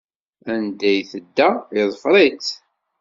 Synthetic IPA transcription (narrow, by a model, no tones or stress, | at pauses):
ænd̪æjθəd̪ːæɪðˤfɾˤit͡s